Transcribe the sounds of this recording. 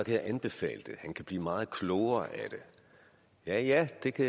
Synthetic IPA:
ɒ̽kʰæjäɪʔænb̥e̝fɛ̰ːld̥e̝hænkʰæb̥lḭːmɑ̈ːð̞̩ˠkʰlɔʊɐʔæd̥e̝ | jæjæd̥e̝kʰæ

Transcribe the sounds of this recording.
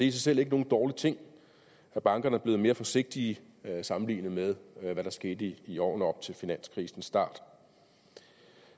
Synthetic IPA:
d̥e̝isɑ̈ɪsel̰e̝ɡ̥əno̝ːn̩d̥ɒːlit͡sʰe̝ŋ̰ | æb̥ɑ̈ŋɡ̥ɐnəæɐb̥le̝ːð̩me̝ːɐfɒ̽se̝ɡ̥̚d̥iː | sɑ̈mm̩lḭːnəmeðˠʋæɾ̥ɑ̈sɡ̥e̝ːd̥əiiɒ̰ːn̩ɒ̽b̥̚t͡sʰe̝lfinæn̰skʰʁiːsn̩sːd̥ɑ̰̈ːd̥

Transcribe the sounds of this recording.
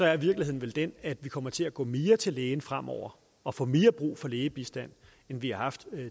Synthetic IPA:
sɒ̽æɐʋiɐ̥lihe̝ð̰ˠn̩ʋeld̥enæd̥ʋikʰɒ̽m̰ɐt͡sʰe̝æɡ̥ɔ̰̽ːme̝ːɐt͡sʰe̝leːnəfʁam̰ɒʊ̰ɐ | ɒ̽fɔ̰̽ːme̝ːɐb̥ʁṵːfɒ̽leːəb̥isd̥æn̰ | enʋihɑ̈hɑ̈fd̥

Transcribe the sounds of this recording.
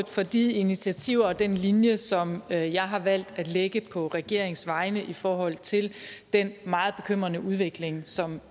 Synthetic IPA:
d̥fɒ̽d̥iinit͡sʰiæt͡sʰiʊ̰ɐɒ̽d̥enlinjəsɒ̽mjɑ̈ɪɦɑ̈ʋæl̰d̥æd̥leɡ̥əpʰɒ̽ʁɛɡ̥e̝ɐ̰e̝ŋsʋɑ̈ɪnəʔifɒːɦɒ̽l̰t͡sʰe̝ld̥enmɑ̈ːð̞̩ˠb̥e̝kʰøm̰ʁɐnəʔuðˠʋe̝ɡ̥le̝ŋsɒ̽m

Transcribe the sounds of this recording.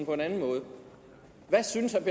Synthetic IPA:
n̩pʰɒ̽e̝nænn̩mɔ̽ːð̞̩ˠə | ʋæsynəsæb̥i

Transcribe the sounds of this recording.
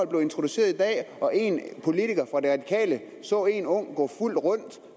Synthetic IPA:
ɒ̽lb̥le̝ʊe̝nt͡sʰʁo̝d̥use̝̰ːɐðˠid̥ɛ̰ːʔɒ̽ʔe̝npʰo̝lit͡sʰiɡ̥ɐfʁɑ̈d̥e̝ʁɑ̈d̥i̥kʰɛ̰ːlə | sɔ̰̽ːe̝nɔ̽ŋ̰ɡ̥ɔ̰ful̰d̥ʁɔ̽n̰d̥

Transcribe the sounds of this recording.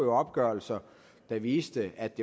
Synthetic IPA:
ɒ̽b̥̚ɡ̥ɶɐl̩sɐ | d̥ɑ̈ʋiːsd̥əæd̥ːe̝

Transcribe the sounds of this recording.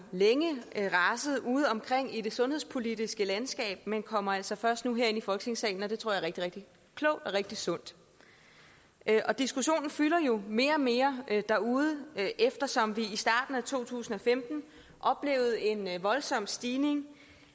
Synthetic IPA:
leŋəʁɑsəð̞̩ˠuːð̞̩ˠɒ̽mkʰʁeŋ̰id̥e̝sɔ̽nhespʰo̝lidisɡ̥əlænsɡ̥ɛ̰ːb̥̚menkʰɒ̽m̰ɐæl̰sɒ̽fɶɐsd̥nuɦeɐe̝nifɒ̽lɡ̥ʰne̝ŋsɛ̰ːln̩ɒ̽d̥e̝t͡sʰoɐ̰jɐʁeɡ̥̚d̥iʁeɡ̥̚d̥i | kʰlɔʊ̰d̥ɒʁeɡ̥̚d̥isɔ̽n̰d̥ | ʔʔɒ̽d̥isɡ̥uɕo̝̰ːnn̩fylɐjo̝me̝ːɐɒme̝ːɐd̥æɐuð̞̩ˠʔefd̥ɐsɒ̽mʋiisd̥ɑ̈ːd̥n̩æt͡sʰo̝̰ːt͡sʰṵːsn̩ɒ̽femd̥n̩ | ʔɒ̽b̥le̝̰ːʊð̞̩ˠe̝nʋɒ̽lsɒ̽m̰sd̥iːne̝ŋ

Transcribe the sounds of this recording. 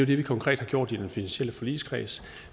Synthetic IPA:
jod̥e̝ʋikʰɒ̽ŋkʁɛ̰ːd̥hɑɡ̥jo̝̰d̥id̥enfinænɕel̰əfɒ̽lḭːskʰʁḭːsə̥

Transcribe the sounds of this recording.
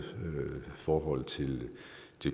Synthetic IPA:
fɒːɦɒ̽l̰t͡sʰe̝l | d̥e

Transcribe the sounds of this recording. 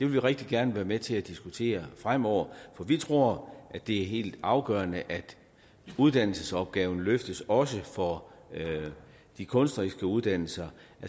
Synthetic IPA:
d̥e̝ʋe̝lʋiʁɛɡ̥̚d̥iɡ̥æɐnəʋæːɐmet͡sʰe̝læd̥isɡ̥ut͡sʰe̝̰ːɐfʁam̰ɒʊ̰ɐfɒ̽ʋit͡sʰʁo̝ɐ̰ʔæ̥e̝æɐɦe̝̰ːld̥ɑ̈ʊɡ̥œːɐnəʔæd̥ | uðˠd̥æn̰l̩səsɒ̽b̥ɡ̥ɛːʊn̩løfd̥əsɒ̽səfɒ̽ | d̥ikʰɔ̽nsd̥ʁisɡ̥əuð̞ˠd̥æn̰l̩sɐæ

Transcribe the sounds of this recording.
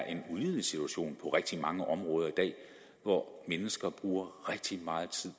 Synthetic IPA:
ʔe̝nuliðˠlisit͡sʰuæɕo̝̰ːnpʰɒ̽ʁɛɡ̥̚d̥imɑ̈ŋəʔɒ̽mʁɔ̽ːð̞ˠɐid̥ɛ̰ː | ʋɒmenəsɡ̥ɐb̥ʁuːɐʁeɡ̥̚d̥imɑ̈ːð̞̩ˠt͡sʰið̰ˠ

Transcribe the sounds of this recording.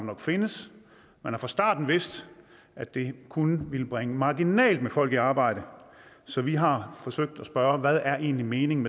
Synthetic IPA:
nɒ̽ɡ̥fe̝nəs | menhɑ̈fʁɑ̈sd̥ɑ̈ːd̥n̩ʋe̝sd̥ | ʔæ̥d̥e̝kʰunəʋilb̥ʁaŋəmɑ̈ɡ̥inɛ̰ːld̥mefɒ̽l̰ɡ̥ˠiɑ̈ːb̥ɑ̈ɪ̰ɾ̥ə | sɒ̽ʋiɦɑ̈fɒ̽søɡ̥̚d̥ɒsb̥ɶɐʋæð̞ˠæɐʔe̝̰ːnlime̝ːne̝ŋme

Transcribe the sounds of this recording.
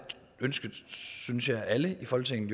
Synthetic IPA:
ønsɡ̥ð̩ˠsynsjɑ̈ɪʔæləifɔhɒlt͡sʰeŋn̩ˠ

